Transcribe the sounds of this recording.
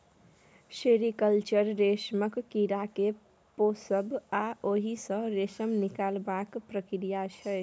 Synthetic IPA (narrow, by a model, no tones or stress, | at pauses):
seɾikəlt͡ʃəɾɾesməkːiɾake | posəbʱaoɦisə̃ɾesəmnikalbakpɾəkɾijat͡ʃʰə